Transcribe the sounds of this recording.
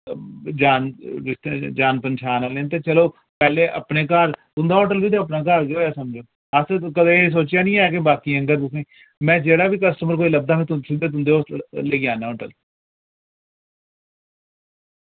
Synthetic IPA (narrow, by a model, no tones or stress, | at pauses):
d͡ʒaːnɪsd͡ʒaːnpənʃʰaːnaːleːnt̪eːt͡ʃəloː | pɛːleːʔə̰pneːkaːɾt̪ʊ̃nd̪aːɔːʈəlbiːt̪eːəp̬naːk̬aːɾd͡ʒoːjaːsəmd͡ʒoː | askəd̪ẽs̬oːt͡ʃjaːnĩːaːk̬ebaːkiːəŋɡət̪̬ʊsẽː | mɛ̃ːd͡ʒeːɽaːbiːkəsʈəməɾk̬oːiːləb̚d̪aːmĩːt̪sd̪eːt̪ʊnd̪eːoːleːɡjãːnãːɔːʈəl